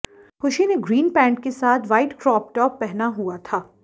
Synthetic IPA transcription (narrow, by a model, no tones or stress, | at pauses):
xʊʃineɡɾiːnpɛ̃ːɳʈ̚kesaːt̪ʰʋaːɪʈkɾɔːp̚ʈɔːpːɛɦnaɦuat̪ʰaː